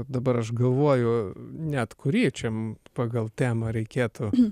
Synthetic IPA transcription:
d̪ɐbɐɾɐʃɡɐlˠʋoːjʊnʲɛt̪kʊɾʲiːt͡ʃʲɛmpɑːɡɐlˠt̪ʲæːmɐɾʲɛɪkʲeːt̪ʊ

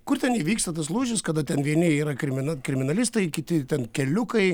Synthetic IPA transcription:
kʊrt̪ʲɛniːʋʲiːkst̪ɐt̪ɐslˠuːʒʲɪskɐd̪ɐt̪ʲɛnʋʲiɛnʲɪiːɾɐkɾʲɪmʲɪnɐkɾʲɪmʲɪnɐlʲɪst̪ɐɪkʲɪt̪ʲɪt̪ʲɛnkʲɛlʲʊkɐɪ

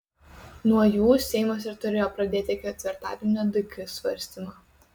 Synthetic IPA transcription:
nuɔjuːsʲɛɪmoːsʲɪɾt̪ʊɾʲeːjoːpɾɐd̪ʲeːt̪ʲɪɪkʲɪɛt̪ʲʋʲɪɾt̪ɑːd̪ʲɪnʲod̪ʲʊkʲɪsʋɐ̰ɾʲsʲt̪ʲɪmɑ

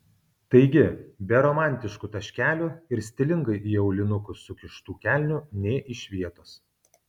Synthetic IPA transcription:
t̪ɐɪɡʲɪbʲɛɾɔmɑˑnʲt̪ʲɪʃkʊt̪ɐʃʲkʲæːlʲuɪɾsʲt̪ʲɪlʲɪŋɡɐɪʔiːɒʊlʲɪnʊkʊsʊkʲɪʃt̪uːkʲæːˑlʲnʲʊnʲɛːʔɪʃʲʋʲiɛt̪oːs

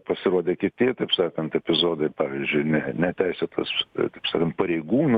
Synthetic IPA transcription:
pɐsʲɪɾuɔd̪ʲeːkʲɪt̪ʲit̪ɐɪpsɑːkɐnt̪ɛpʲɪzoːd̪ɐɪpɑːʋʲiːzʲd͡ʒʲʊɪnʲɛnʲɛt̪ʲæɪsʲet̪ʰɐ̰st̪ɐɪpsɑ̰ːkɐnt̪̚pɐɾʲɛɪɡuːnʊ

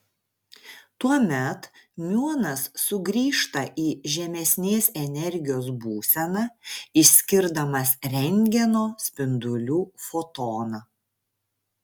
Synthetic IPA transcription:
t̪uɔmʲɛt̪mʲuɔnɐsːʊɡɾʲiːʃt̪ɐʔiːʒʲɛmʲɛsʲnʲeːsɛnʲɛɾʲɡʲɪjoːs̬buːsʲɛnɑːɪsʲkʲɪɾd̪ɐmɐsɾʲɛŋʲɡʲɛnoːsʲpʲɪnd̪ʊlʲuːfɔt̪oːnɐ

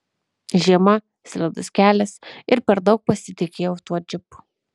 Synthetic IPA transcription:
ʒʲiɛmɐ | sʲlʲɛd̪ʊsʲkʲæːlʲɛsɪɾpʲɛɾd̪ɒʊk̚pɐsʲɪt̪ʲɪkʲeːjɛʊt̪uɔd͡ʒʲɪpʊ̥

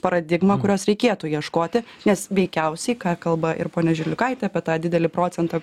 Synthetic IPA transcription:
pɐɾɐd̪ʲɪɡmɐkʊɾʲoːsɾʲɛɪkʲeːt̪ʊjiɛʃkoːt̪ʲɪnʲɛsʋʲɛɪkʲɛʊsʲɛɪkɑːkɐlˠbɐʔɪ̰ɾpoːnʲɛʒʲɪlʲʊkɐɪt̪ʲɛɐpʲiɛt̪ɑːd̪ʲɪd̪ʲɛlʲɪpɾoːt͡s̪ʲɛnt̪ɑː

